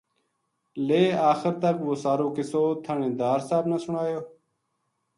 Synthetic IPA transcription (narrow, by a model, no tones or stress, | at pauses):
leːaːxəɾt̪əkʋoːsaːɾoːkɪsoːt̪ʰaɳẽːd̪aːɾsaːbnasʊɳaːjoː